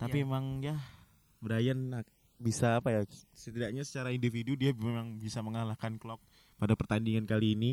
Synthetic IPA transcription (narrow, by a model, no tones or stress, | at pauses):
t̪apiemaŋja | bəɾajanːa | bisaːpajasət̪idaʔ̚ɲasə̥t͡ʃaɾaindifidudiamemaŋbisaməŋalahkanklɔk̚ | padapərt̪andiŋankaliːni